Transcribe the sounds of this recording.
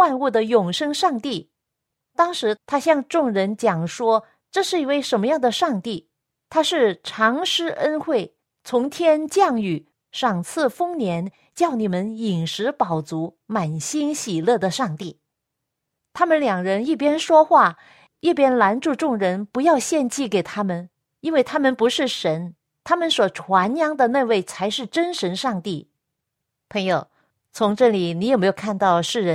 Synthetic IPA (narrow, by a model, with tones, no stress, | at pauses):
xwa˥˧nu˥˩d̪ə˩jʊ˨˩ŋʂɤ˥ŋʂɑ˥˧ŋt̪i˥˩ | t̪ɑ˥ŋʂɻ̩˧˥t̪ʰa˥ɕjɑ˥˧ŋʈ͡ʂʊ˥˩ŋɻə˧˥nt͡ɕjɑ˨˩ŋʂwɔ˥ | ʈ͡ʂɤ˥˧ʂɻ̩˥˩i˧˥we˥˩ɪʂə˧˥nmə˧jɑ˥˩ŋd̪ə˩ʂɑ˥˧ŋt̪i˥˩ | t̪ʰa˥ʂɻ̩˥˩ʈ͡ʂʰɑ˧˥ŋʂɻ̩˥ʔə˥nxwe˥˩ɪ | t͡sʰʊ˧˥ŋt̪ʰjɛ˥nt͡ɕjɑ˥˩ŋy˨˩ | ʂɑ˨˩ŋt͡sʰɹ̩˥˩fɤ˥ŋnjɛ˧˥n | t͡ɕjɑ˥˩ʊni˨˩mə˦ni˨˩ŋʂɻ̩˧˥pɑ˨˩ʊt͡su˧˥ma˨˩nɕi˥nɕi˨˩lɤ˥˩d̪ə˩ʂɑ˥˧ŋt̪i˥˩ | t̪ʰa˥mə˨nljɑ˨˩ŋɻə˧˥ni˥˩p̬jɛ˥nʂwɔ˥xwa˥˩ | i˥˩pjɛ˥nla˧˥nʈ͡ʂu˥˧ʈ͡ʂʊ˥˩ŋɻə˧˥npu˧˥jɑ˥˧ʊɕjɛ˥˧nt͡ɕi˥˩ke˨˩ɪt̪ʰa˥mə˨n | i˥nwe˥˩ɪt̪ʰa˥mə˨npu˧˥ʂɻ̩˥˩ʂə˧˥n | t̪ʰa˥mə˨nswɔ˨˩ʈ͡ʂʰwa˧˥njɑ˧˥ŋd̪ə˨ne˥˧ɪwe˥˩ɪt͡sʰa˧˥ɪʂɻ̩˥˩ʈ͡ʂə˥nʂə˧˥nʂɑ˥˧ŋt̪i˥˩ | pʰɤ˧˥ŋjo˨˩ʊ | t͡sʰʊ˧˥ŋʈ͡ʂɤ˥˩li˨˩ni˧˥jme˧˥jo˨˩kʰa˥˧nt̪ɑ˥˧ʊʂɻ̩˥˩ɻə˧˥n